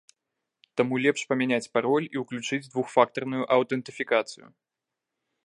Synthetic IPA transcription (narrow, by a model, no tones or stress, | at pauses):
t̪amulʲɛpʂpɐmʲɛnʲat͡sʲpaɾɔlʲiuklʲut͡ʂɨd͡zʲd̪vuxfak̚t̪ɐrnujuʔɐwt̪ɛnt̪ɨfʲikat̪sɨjṵ